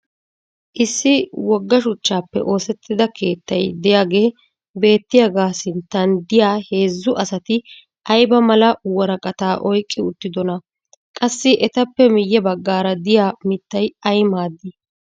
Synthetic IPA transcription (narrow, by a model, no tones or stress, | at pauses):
ʔɪsːɪwɔɡːɐʃʊt͡ʃːaːpːɛ̰ʔo̞ːsɛt̪ʰːɪd̪ɐkʰe̞ːt̪ːɐ̰jd̪ɛjaːɡe̞ː | be̞ːt̪ːɪjɐɡaːsɪnt̪ːɐnd̪ɪjaːhe̞ːzːʊʔɐsɐt̪ɪ | ʔɐjbɐmɐlɐwɔɾɐkʼɐt̪aːʔɔjkʼːɪʊt̪ːɪd̪ɔnɐ | kʼɐsːɪʔɛt̪ɐpːɛmɪjːɛbɐɡːaːɾɐd̪ɪjaːmɪt̪ːɐjɐjmaːd̪ːɪ